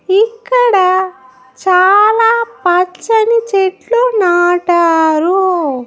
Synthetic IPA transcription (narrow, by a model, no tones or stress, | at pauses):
ikːɐɽɐ | t͡ʃaːlaːpɐt͡ʃːɐnit͡ʃeʈlonaːʈaːɾu